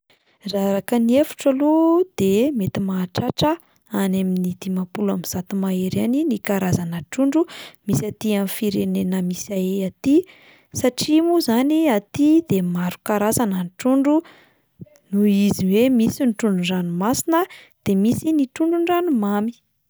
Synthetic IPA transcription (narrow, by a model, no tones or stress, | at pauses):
raɾakəniefu̥ʈ͡ʂəlud̪̥emet̪imaːʈ͡ʂaʈ͡ʂə | anaminid̪̥imapulamiz̥at̪umaeɾaninikaɾazanəʈ͡ʂuɳɖ͡ʐumisat̪iamfiɾenenəmisaeat̪i | saʈ͡ʂimuzaniat̪id̪emaɾu̥kaɾazanənʈ͡ʂuɳɖ͡ʐu | nuiziwemisinʈ͡ʂuɳɖ͡ʐuɖ͡ʐanumasinə | d̪̥emisiniʈ͡ʂuɳɖ͡ʐuɳɖ͡ʐanumami̥